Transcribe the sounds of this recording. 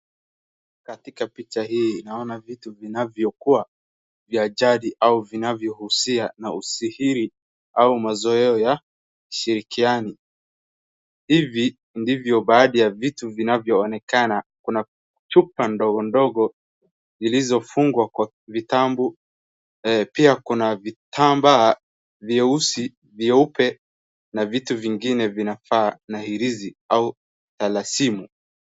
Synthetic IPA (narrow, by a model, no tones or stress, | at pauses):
katikapit͡ʃahiːnaɔnavituvinavjɔkua | viaʄaɗiʔauvinavjɔhusianausihiɾi | aumazɔɛɔja | ki̥ʃiɾikiani | hivi | ndivjɔɓaːɗijavituvinavjɔːnɛkanakuna | t͡ʃupandɔɡɔndɔɡɔ | zilizɔfuŋɡwakwa | vitambu | piakunavitʰamba | viɛusi | viɛupɛ | navituviŋɡinɛvinafaːnahiɾiziau | talasimu